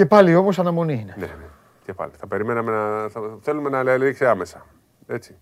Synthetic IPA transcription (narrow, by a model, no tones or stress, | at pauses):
ce̞pɐlio̞mo̞sɐnɐmo̞niinenḛne | cepɐ̰liθɐpe̞ɾimenɐme̞nɐθɐθelume̞nɐleɐliɾiksiɐme̞sɐ | e̞t͡si̥